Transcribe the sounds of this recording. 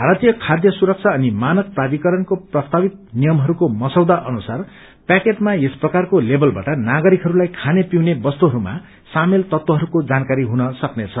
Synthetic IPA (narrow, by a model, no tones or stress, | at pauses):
bʱaɾat̪ijʌkʰad̪jʌsuɾʌk̚t͡sʰʌʌnimanʌk̚prad̪ikʌɾʌnkoprʌst̪ʰabit̪̚nijʌmɦʌɾukomʌsʌwd̪aʔʌnusar | pakeʈmaesprʌkarkolebʌlba̰ʈʌnaɡʌɾikɦʌɾulajkʰanepiwnebʌst̪uɦʌɾuma̰ | samelt̪ʌt̪wʌɦʌɾukod͡zankaɾiɦunʌsʌknet͡sʰʌ